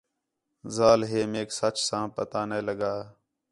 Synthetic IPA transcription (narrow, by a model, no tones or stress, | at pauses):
zaːlɦeːmeːksət͡ʃsãːpət̪aːneːləɡaː